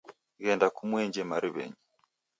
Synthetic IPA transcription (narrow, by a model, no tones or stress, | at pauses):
ɣɛndakumwɛɲd͡ʒɛmaɾiβɛ̰ɲi